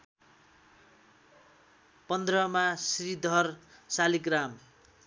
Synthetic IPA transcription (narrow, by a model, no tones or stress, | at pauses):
pʌnd̪rʌmasrid̪ʱʌrsalikram